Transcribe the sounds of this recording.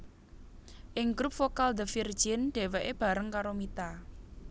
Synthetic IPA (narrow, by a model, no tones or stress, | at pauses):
ʔɪŋɡɾup̚fokald̪əfird͡ʒɪnɖ̥e̤wɛʔeb̥a̤ɾəŋkaɾomit̪a